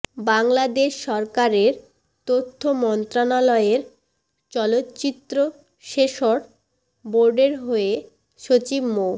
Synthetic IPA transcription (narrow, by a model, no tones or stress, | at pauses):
baŋlad̪eʃːɔɾkaɾeɾ | t̪ot̪ʰːomɔnt̪ɾanalɔeeɾ | t͡ɕɔlot̪ːt͡ɕit̪ːɾo | ʃeʃoɾ | boɾɖeɾɦoe | ʃot͡ɕibmo